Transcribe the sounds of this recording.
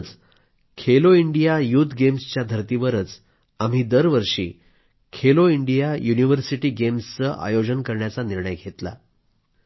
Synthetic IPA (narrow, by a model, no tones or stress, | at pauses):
t͡s | kʰeloiɳɖijajuːt̪ʰɡemst͡ɕjad̪ʱəɾt̪iʋəɾət͡s | am̤iːd̪əɾʋəɾʂḭː | kʰeloiɳɖijajuniʋəɾsiʈiːɡemst͡səʔa̰jod͡ʑənkəɾɳjat͡saniɾɳəjɡʱet̪la̰